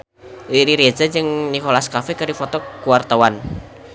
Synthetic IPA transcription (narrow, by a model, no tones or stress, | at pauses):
iɾiɾed͡ʒad͡ʒɨŋnikolaskafɛkɨdifɔt̪ɔkuwart̪awan